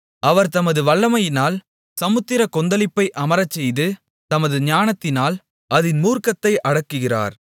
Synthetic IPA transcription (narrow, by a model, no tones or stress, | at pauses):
ʔɐʋɐɾt̪ɐmɐðɯʋɐɭːɐmɐjɪnaːl | sɐmɯt̪ːɪɾɐkɔnd̪ɐlɪpːɐɪʔɐmɐɾɐt͡ʃːɛjðɯ | t̪ɐmɐðɯɲaːnɐt̪ːɪnaːl | ɐðɪnmuːɾkɐt̪ːɐɪʔɐɽɐkːɯɣɪra̰ːɾ